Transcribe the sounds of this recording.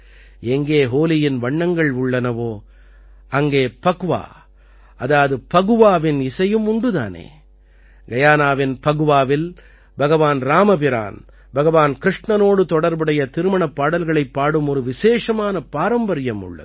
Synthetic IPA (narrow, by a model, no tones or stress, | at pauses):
ɛŋɡeːɦoːlɪjɪnʋɐɳːɐŋɡɐɭʊɭːɐnɐʋoː | ɐŋɡeːpɐɣɯʋa̰ː | ɐðaːɐðɯpɐɣɯʋaːʋɪnɪsɐjɯmʊɳɖɯða̰ːnḛː | ɡɐjaːnaːʋɪnpɐɣɯʋaːʋɪl | bɐɣɐʋaːnɾaːmɐp̬ɪɾa̰ːn | bɐɣɐʋaːnkɾɪʂɳɐnoːɽɯt̪ɔɽɐɾbɐɽɐjɐt̪ɪɾɯmɐɳɐpːaːɽɐlɣɐɭɐɪpːaːɽɯmɔɾɯʋɪseːʂɐmaːnɐpaːɾɐmbɐɾɪjɐmʊ̰ɭːɐ̰